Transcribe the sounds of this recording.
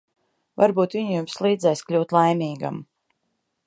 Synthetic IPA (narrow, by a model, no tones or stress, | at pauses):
vaɾbuːt̪vʲiɲjumslˠiːd̪zɛjsklʲuwt̪lˠajmiːɡa̰m